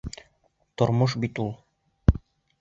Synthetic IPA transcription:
t̪ŏɾmoʃbit̪ulˠ

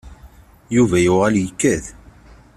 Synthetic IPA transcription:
juvæjʊʁæljəkːæð

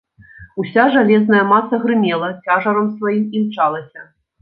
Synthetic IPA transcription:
usʲaʐalʲɛznɐjɐmat̪sɐɣɾɨmʲɛlˠɐt͡sʲaʐɐɾɐmsvajimiwt͡ʂalˠɐsʲɐ

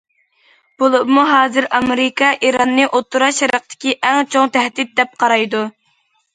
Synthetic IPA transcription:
b̥olˠubmuɦɑːzɨɾɑmeɾɪkɑʔiɾɑnːɨʔot̪ʰːuɾɑʃɛɾɑq̚t̪ʰɪ̥kʲiʔɛŋt͡ʃʰoŋt̪ʰæhd̪ɪt̪̚d̪ɛp̚qʰɑɾɑjd̪u

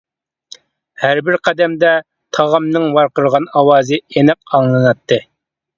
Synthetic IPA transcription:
hæɾbɪɾqʰæd̪ɛmd̪ɛ | t̪ʰɑʁɑmnɨŋwɑɾqəɾʁɑnɑwɑːzɨenɛqɑŋlˠɨnɑt̪ʰːɨ

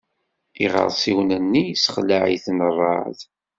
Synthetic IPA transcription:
iʁə̰ɾˤsˤiwnənːisə̥χlaʕḭθnərˤːɑ̰ʕð

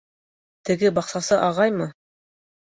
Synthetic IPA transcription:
t̪ɘ̆ɡɘbɑqsɑsɤʔɑʁɑjmɤ

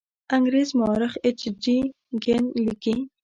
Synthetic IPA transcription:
aŋɡɾezmʊɑɾɪxet͡ʃɖi | ɡenliki

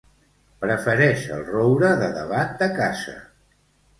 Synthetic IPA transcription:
pɾəfəɾɛʃə̰lˠrowɾəðəðə̰βat̪̚d̪əkazə̰

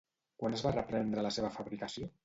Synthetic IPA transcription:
kwanəzβarəpɾɛnd̪ɾələseβəfəβɾikəsio

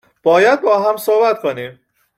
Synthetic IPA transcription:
b̥ɒːjæd̪̚bɒːɦæmsoːhbæt̪kʰonim

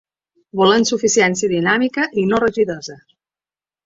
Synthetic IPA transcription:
βɔlənsufisiɛnsiəðinamikəʔinorəʒiðozə

